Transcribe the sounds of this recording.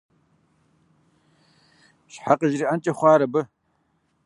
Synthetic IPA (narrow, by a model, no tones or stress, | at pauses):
ʃħaqəʒriːʔɐnt͡ʃʼɐχʷɑːɾɐbɨ